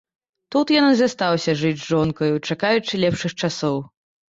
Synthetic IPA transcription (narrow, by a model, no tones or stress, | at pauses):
t̪ut̪janɨzast̪awsʲɐʐɨd͡zʲʐɔnkɐjut͡ʂakajut͡ʂɨlʲɛpʂɨxt͡ʂasɔw